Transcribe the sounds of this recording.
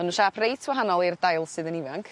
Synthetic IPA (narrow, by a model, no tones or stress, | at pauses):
ənunʃapʰrejtʰwaɦanɔlˠirdajlˠsɨðənivaŋkʰ